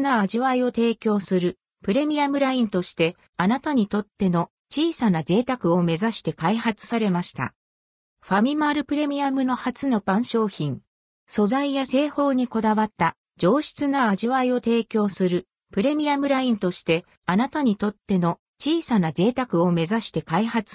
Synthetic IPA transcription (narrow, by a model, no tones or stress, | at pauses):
naaʑiβaio̞t̪e̞ːkʲo̞ːsɨɾɯ̟ | pɯ̟ɾe̞mʲiamɯ̟ɾaĩnt̪o̞ɕi̥t̪e̞ | anat̪aɲ̟it̪o̞t̪ːe̞no̞ | t͡ɕiːsanaze̞ːt̪akɯ̟o̞me̞zaɕi̥t̪e̞kaihat͡sɨ̥saɾe̞maɕi̥t̪a̰ | ɸamʲimaɾɯ̟pɯ̟ɾe̞mʲiamɯ̟no̞hat͡sɨno̞bãɰ̃ɕo̞ːçĩŋ | so̞zaijase̞ːho̞ːɲ̟iko̞d̪aβat̪ːa | d͡ʑo̞ːɕi̥t͡sɨnaaʑiβaio̞t̪e̞ːkʲo̞ːsɨɾɯ̟ | pɯ̟ɾe̞mʲiamɯ̟ɾaĩnt̪o̞ɕi̥t̪e̞ | anat̪aɲ̟it̪o̞t̪ːe̞no̞ | t͡ɕiːsanaze̞ːt̪akɯ̟o̞me̞zaɕi̥t̪e̞kaihat͡sɨ̥